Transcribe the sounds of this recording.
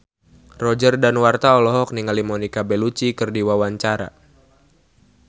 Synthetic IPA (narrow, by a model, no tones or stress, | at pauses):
rɔd͡ʒərdanwart̪aɔlɔɦɔk̚niŋalimɔnikabɛlut͡ʃikɨrdiwawaɲt͡ʃaɾa̰